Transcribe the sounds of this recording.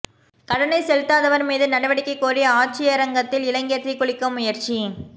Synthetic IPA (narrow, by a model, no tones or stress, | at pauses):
kɐɽɐnɐɪsɛlɪt̪ːaːðɐʋɐɾmiːðɯnɐɽɐʋɐɽɪkːɐɪkːoːɾɪjɐaːʈ̚t͡ʃɪjɐɾɐŋɡɐt̪ːɪlɪlɐŋɡɪjɐt̪rɪkːʊɭɪkːɯmːʊjɐɾt͡ʃi